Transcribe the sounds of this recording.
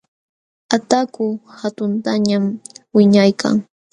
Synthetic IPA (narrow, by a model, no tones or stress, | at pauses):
at̪akʊhat̪ʊnt̪aɲamwɪɲajkʰa̰ŋ